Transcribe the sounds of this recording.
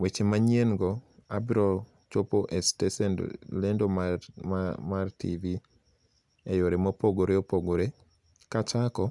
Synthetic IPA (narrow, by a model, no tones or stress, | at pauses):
wet͡ʃemaɲenɡɔabɾɔl | t͡ʃopoʔestesɛndlendom | martḭvi | ejoɾemopoɡoɾeopoɡoɾe | kat͡ʃakɔ